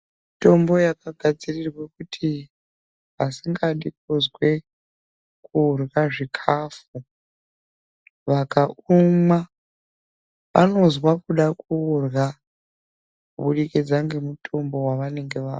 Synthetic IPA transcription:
mito̞mbo̞jakaɡʱad͡zirirwe̞kutʰi | asiŋɡaɗikozwe̞ | kuːrɣaʐikʰaːfu | ʋakauma | ʋa̰no̞zwakuɗakuːrɣa | kuɓuɗikid͡zaŋɡe̞mutʰo̞mbo̞waʋane̞ŋɡe̞ʋa̰ː

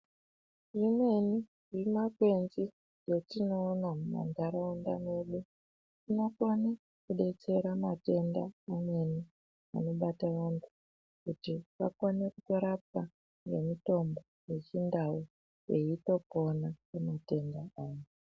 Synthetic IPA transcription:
ʐimwe̞ni | ʐimakwe̞nzi | jotino̞ːnamuma̰ndaɾaonda̰me̞ɗu | tino̞kone | kuɗe̞t͡se̞ɾamate̞ndaːmwe̞ni | a̰no̞ɓataʋantʰu̥ | kutiʋa̰konekutoɾap̚a | ŋɡḛmito̞mboje̞t͡ʃindawo | jeito̞po̞nakemate̞ndaaːjo

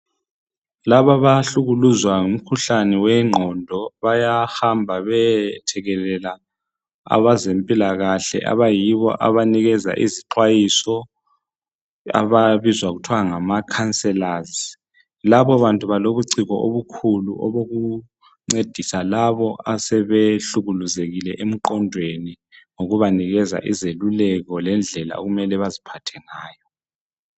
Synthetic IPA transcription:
laβaβaɬuɣuluzwaŋum̩kʰuɬanɛwɛŋ͡ǃʱɔndʱɔβajahambʱaβɛtʰɛɣɛlɛla | a̰βazempʼilaɣaɬɛ̰ʔa̰βajiβɔ̰ʔa̰βaniɣɛza̰ʔiziǃwajisɔ | a̰βaβizwaɣutʰwaŋamakʰansʼɛlazi | laβɔβantʼuβaloβuǀiɣɔʔoβukʰuluʔɔβoɣu | ŋ͡ǀed̥ʱisalaβɔasɛβeɬuɣuluzeɣilɛ̰ʔem̩ǃɔndʱweni | ŋoɣuβaniɣɛza̰ʔizelulɛɣɔlɛnd͡ɮʱɛla̰o̰ɣumɛlɛβazipʰatʰɛŋaːjɔ

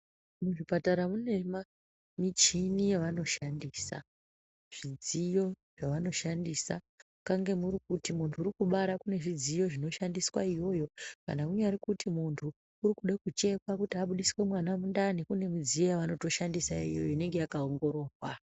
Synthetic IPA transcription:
muʐipataɾamune̞ma | mit͡ʃinijeʋano̞ʃandiːsa̰ | ʐ̥id͡zijo̞ | ʐ̥aʋano̞ʃandisa | kaŋɡe̞murikutimuntʰuːrikuɓaɾakune̞ʐid͡zijo̞ʐino̞ʃandiswaijo̞jo̞ka̰nakuɲaɾikutimuntʰuː | rikuɗakut͡ʃe̞kakutiaɓuɗisiwe̞mwanamundanikune̞mid͡zijo̞jaʋano̞to̞ʃandisaḭjo̞̰joine̞ŋɡe̞jakaoŋɡo̞ɾo̞ːrwa

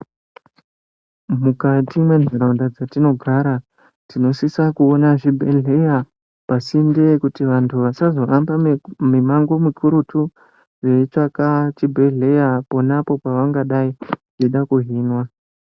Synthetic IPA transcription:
mukatimweneɾaundad͡zatino̞ɡʱaɾa | tino̞sisakuonaʐibʱeɮe̞ja | pasinde̞kutiʋantʰuʋasazo̞ambamemaŋɡo̞mukʰuɾutʰu | reit͡ʃakat͡ʃibʱe̞ɮe̞japo̞napo̞paʋaŋɡaɗaiʐ̥eɗakuɦiːnwa

